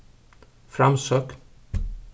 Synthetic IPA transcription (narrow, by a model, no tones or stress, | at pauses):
fɾɑmsøːk